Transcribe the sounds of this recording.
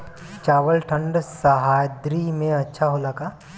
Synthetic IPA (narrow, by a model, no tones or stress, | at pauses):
t͡ʃaːʋəlʈʰə̃ɳɖsɐɦaːjd̪ɾimẽɐtːʃʰaɦolaːkaː